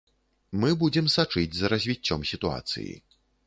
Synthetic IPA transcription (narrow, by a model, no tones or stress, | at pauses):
mɨbud͡zʲɛmsat͡ʂɨd͡zʲzɐɾɐzʲvʲit͡sʲːɔmsʲit̪ua̰t̪sɨ̰jḭ